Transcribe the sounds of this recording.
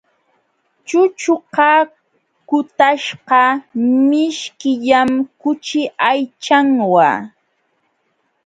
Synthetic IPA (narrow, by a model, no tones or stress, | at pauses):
t͡ʃʊt͡ʃʊqɑ | kʊt̪aʃqɑmɪʃkɪʎamkʊt͡ʃɪʔajt͡ʃaŋwa̰